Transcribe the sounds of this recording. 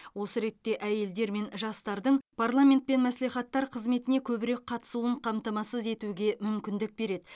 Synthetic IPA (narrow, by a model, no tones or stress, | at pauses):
wo̞səɾe̞t̪ːe̞ʔæje̞ld̪e̞ɾme̞nʒɑst̪ɑɾd̪əɴpʰaɾrlˠamʲe̞nt̪̚pe̞nmæsleχɑt̪ːɑɾqʰəzme̞t̪ɪne̞kʲʰɵbɪɾe̞k̚qʰɑt̪ə̥suəɴqʰɑmt̪ɑmɑsəze̞t̪uɡʲe̞mʏmkʲɪnd̪ɪk̚be̞ɾe̞d̪ɪ